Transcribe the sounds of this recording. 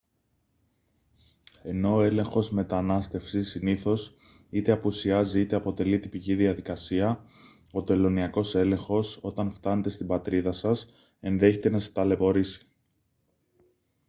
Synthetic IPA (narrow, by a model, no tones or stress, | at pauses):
e̞no̞ːe̞le̞ŋxo̞zme̞t̪ɐnɐst̪e̞fsisiniθo̞s | it̪e̞ɐpusiɐziit̪e̞ɐpo̞t̪e̞lit̪ipiciðiɐðikɐsiɐ | o̞t̪e̞lo̞niɐko̞se̞le̞ŋxo̞so̞t̪ɐnft̪ɐne̞t̪e̞st̪ibɐt̪ɾiðɐsɐs | e̞nðe̞çet̪e̞nɐst̪ɐle̞po̞ɾisi̥